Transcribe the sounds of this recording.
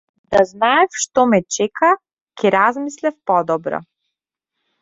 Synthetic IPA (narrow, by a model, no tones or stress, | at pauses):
d̪aznaɛfʃt̪ɔmɛt͡ʃɛka | kɛɾazmislɛfpɔd̪ɔbɾɔ̰